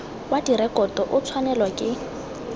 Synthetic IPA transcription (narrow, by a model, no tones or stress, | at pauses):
wadirɛkʼɔtɔʔʊt͡sʰwanɛlwakʼɪ